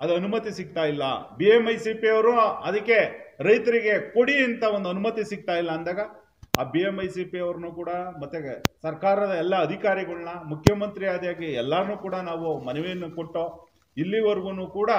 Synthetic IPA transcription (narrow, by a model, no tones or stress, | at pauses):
ɐd̪uɐnumɐt̪isiɡ̚t̪aːjilːɐ̰biemɐjsipiɐʋɐɾuɐd̪ɐkːe̞ɾɐjt̪ɐɾiɡe̞ko̞ɽiɐnt̪ɐond̪uɐnumɐt̪isiɡ̚t̪aːjilːɐːnd̪aːɡɐ | a̰ːbiemɐjsipiɐʋɐɾɐnuːkuːɽɐmɐt̪ːesɐɾkaːɾɐd̪ɐɛlːɐːd̪ʱikaːɾiɡɐɭɐnɐmukʰːjɐmɐnt̪ɾijaːd̪jaːɡiɛlːaɾɐnuːkuːɽɐnaːʋumɐnɛʋejɐnːukoʈːo | ilːiʋɐɾɡunuːkuːɽɐ